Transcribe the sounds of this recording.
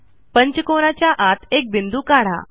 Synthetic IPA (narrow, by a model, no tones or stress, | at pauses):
pəɲt͡ɕəkoɽ̃at͡ɕjaʔat̪ʰek̚bind̪uːkaɽ̤a̰